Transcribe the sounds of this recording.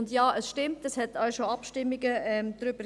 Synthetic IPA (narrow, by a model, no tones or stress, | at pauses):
ndjɑːʔəsʃtɪmtəshɛtɑɪʃoɑpʃtɪmːiɡəɛmd̥ɾʏb̥ə